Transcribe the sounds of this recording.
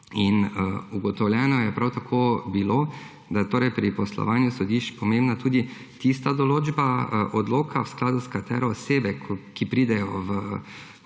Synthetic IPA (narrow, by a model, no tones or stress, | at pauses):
inuɡɔt̪ɔwljɛːnɔjɛpɾawt̪akʰoːbiloː | d̪ajɛt̪oːɾɛjpɾipɔslɔ̰ʋaːnjusɔd̪iʃt͡ʃpɔmẽmbnat̪uːd̪i | t̪ist̪ad̪ɔloːd͡ʒbaʔɔd̪loːkʰawsklaːd̪uskat̪ɛ̰ːɾɛːseːbɛkkipɾiːd̪ɛjɔʋə